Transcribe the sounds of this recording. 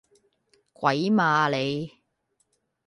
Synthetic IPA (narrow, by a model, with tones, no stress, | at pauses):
kʷwɐ˨˥jmaː˨˧le˨˧j